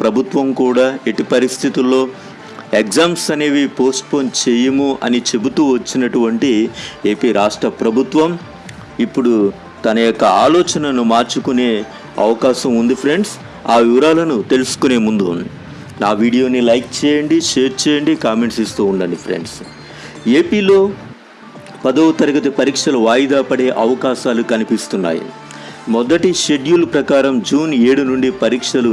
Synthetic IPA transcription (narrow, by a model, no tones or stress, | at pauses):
pɾɐbʱut̪ʋɐmkuːɽaːeʈipɐɾist̪ʰit̪ulːo̞ː | ekzaːmsɐne̞ːʋipo̞ːsʈ̚poːnt͡ʃeːjɐmuʔɐnit͡ʃe̞but̪uːʋɐt͡ʃːinɐʈuʋɐɳʈie̞ːpiːɾaːʂʈɾɐpɾɐbʱut̪ʋɐm | ipːuɽu | t̪ɐnɐjɔkːɐaːlɔːt͡ʃɐnɐnumaːɾt͡ʃukune̞ː | ɐ̰ʋɐkaːʃɐmund̪ipʰɾe̞ɳɖs | aːʋiʋɐɾaːlɐnut̪e̞lusu̥kune̞ːmund̪ṵːnd̪i | naːʋiːɽijo̞ːnilɐjk̚t͡ʃɛːjɐɳɖiʃe̞ːɾt͡ʃɛːjɐɳɖikaːme̞ɳʈsist̪uːɳɖɐɳɖipʰɾḛɳɖs | e̞ːpiːlo̞ː | pɐd̪ɐwut̪ɐɾɐɡɐt̪ipɐɾiːkʂɐluʋaːjid̪aːpɐɽe̞ːʔɐʋɐkaːʃaːlukɐnipist̪unːa̰ːjḭ | mɔd̪ɐʈiʂe̞ɖjuːlpɾɐkaːɾɐmd͡ʒuːne̞ːɽunuɳɖipɐɾiːkʂɐlu